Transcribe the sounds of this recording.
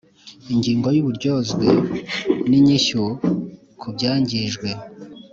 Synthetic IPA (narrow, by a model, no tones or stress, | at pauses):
iɲɟiːŋɡojuβuɾɟo̞zɡwe | niɲiʃo | kʰubɟaːɲɟiʒɡwe̞